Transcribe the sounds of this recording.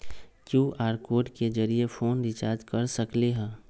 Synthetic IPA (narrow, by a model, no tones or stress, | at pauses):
kjũːʔaːɾkoːʈked͡ʒəɾiefʰoːnɾɪt͡ʃaːd̪kɐɾsəkleɦɛ̃ː